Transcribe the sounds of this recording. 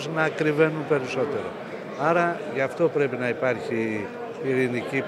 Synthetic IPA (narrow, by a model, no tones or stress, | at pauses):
snɐːkɾive̞numpe̞ɾiso̞t̪e̞ɾo̞̰ | ɐɾɐʝɐft̪o̞pɾe̞pinɐipɐɾçi | piɾinicip